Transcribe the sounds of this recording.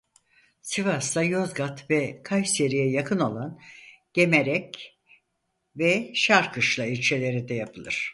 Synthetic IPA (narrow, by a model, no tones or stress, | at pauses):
sivast̪ajozɡat̪vɛkʰajse̞ɾijɛjakʰɯno̞lˠanɟ̥e̞meɾɛc | vɛʃaɾkʰɯʃlˠailʲt͡ʃʰe̞lʲe̞ɾid̪ɛjapʰɯlˠɯ̰ɾ̥